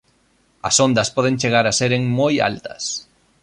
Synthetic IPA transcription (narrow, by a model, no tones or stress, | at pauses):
ɐ̰sond̪ɐspɔð̞eŋt͡ʃeɣ̞aɾaseɾeŋmoja̰lt̪ɐ̰s